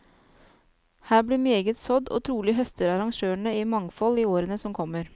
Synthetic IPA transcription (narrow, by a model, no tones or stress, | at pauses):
hæːbɽiːmeːɡət̪sɔd̪o̰ːt̪ʰɾuːlɪɦœst̪əɾɑɾɑŋʃøːɳəiːmɑŋfɔliːoːɾənəsɔmkʰɔməɾ